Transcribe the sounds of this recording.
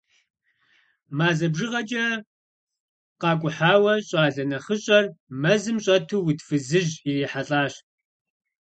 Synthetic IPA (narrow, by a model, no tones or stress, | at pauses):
maːzɐbʐɨʁɐt͡ʃʼɐ | qɑːkʷʼʊħaːwɐɕʼaːɮɐnɐχəɕʼɐrmɐzɨmɕʼɐtʰuːwutʰfɨzɨʑijɛħaɬʼaːɕ